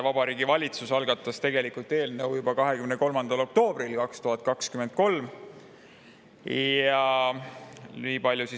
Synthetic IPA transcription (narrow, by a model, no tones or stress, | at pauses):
vɑb̥ɑɾiːɡivɑlʲit̪susɑlɡ̥ɑt̪ːˑɑst̪e̞ɡe̞likult̪e̞ːlnɤwjubɑkɑɦe̞kymnəko̞lmɑnd̪̥ɑlo̞k̚t̪o̞ːb̥rilkɑkst̪uhɑt̪̚ːˑkɑkskymend̪̥̚ko̞lm | jɑ | niːpɑlʲjusi